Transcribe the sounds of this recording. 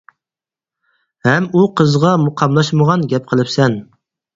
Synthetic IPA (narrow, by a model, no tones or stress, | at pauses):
hɛmuqʰəzʁɑmuqʰɑmlˠɑʃməʁɑnɡʲɛp̚qʰəlˠɨpsɛn